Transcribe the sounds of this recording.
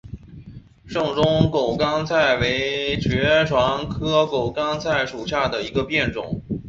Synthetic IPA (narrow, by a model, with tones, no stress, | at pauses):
ʂɤ˥˩ŋʈ͡ʂʊ˥ŋko˨˩ʊkɑ˥ŋt͡sʰa˥˩ɪwe˧˥ɪt͡ɕʰɥɛ˧˥ʈ͡ʂʰwɑ˧˥ŋkʰɤ˥ko˨˩ʊkɑ˥ŋt͡sʰa˥˩ɪʂu˨˩ɕja˥˩d̪ə˩i˧˥ɡə˧pjɛ˥˩nʈ͡ʂʊ̰˨˩˦ŋ